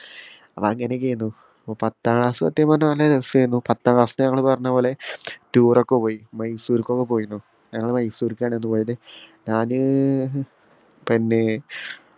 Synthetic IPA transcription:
ɐpːɐ̰ɐŋːɐnekʲːejnːu | pːopɐt̪ːaːɭaːsuɐ̰t̪ːjɐmɐnːɐmɐlɐɾesuejunːupɐt̪ːaːɭaːsnɐɲɐŋːɐɭpɐrɐɲːɐpːoːɭetuːrokːepoːjimɐjsuːɾikʲːokːepo̞ːjunːu | ɲɐŋːɐɭmɐjsuːɾikʲːaːɳenːupo̞ːjɐt̪eɲaːnɨ | pinːe̞

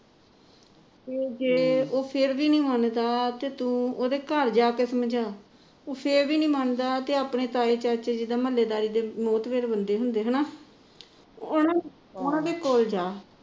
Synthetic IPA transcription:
t̪eːd͡ʒeːoːpʰɪɾʋiːnĩːmənd̪aːt̪eːt̪ũːoːd̪eːkəɾd͡ʒaːkeːsəmd͡ʒaː | oːpʰɪɾʋiːnĩːmənd̪aːt̪eːaːpɳeːt̪aːeːt͡ʃət͡ʃed͡ʒɪd̪aːməlːeːd̪aːɾiːd̪eːmɔːt̪ʋeːɾbənd̪eːɦʊnd̪eːɦənaː | ʊnãː | ʊnãːd̪eːkoːld͡ʒaː

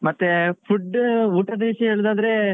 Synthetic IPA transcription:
mɐt̪ːepʰuɖːuːʈɐd̪ɐʋiʂjɐɦeːɭd̪aːd̪ɐɾe̞

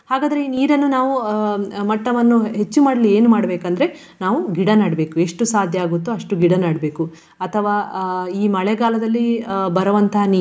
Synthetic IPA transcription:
haːɡaːd̪ɐɾe̞niːɾɐnːunaːʋumɐʈːɐʋɐnːuɦe̞t͡ʃːumaːɽɐlie̞ːnumaːɽɐbeːkɐnd̪ɐɾe̞ | naːʋuɡiɽɐnaːɽbe̞ːkue̞ʂʈusaːd̪ʱjɐaːɡut̪ːuɐʂʈuɡiɽɐnaːɽbe̞ːku | ɐt̪ʰɐʋaːiːmɐɭeɡaːlɐd̪ɐlːibɐɾɐʋɐnt̪ɐɦɐni

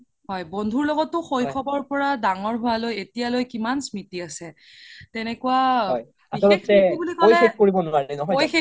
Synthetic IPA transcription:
ɦɔjbondʱuɹlɔɡɔtːʊxojkʰɔbɔɹpɔɹadaŋɔɹɦʊwalojetijalojkimansmitiasɛ | tɛnɛkuwaɔj | asɔlɔtɛibulikojxek̚koɹibɔnʊaɹɛnɔɦɔojxe

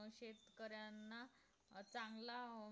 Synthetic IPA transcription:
wɕet̪kəɾjanːa | t͡sãŋɡla

